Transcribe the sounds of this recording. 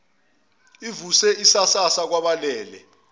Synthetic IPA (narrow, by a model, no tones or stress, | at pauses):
ivusɛisasasak̬waɓalɛːlɛ̰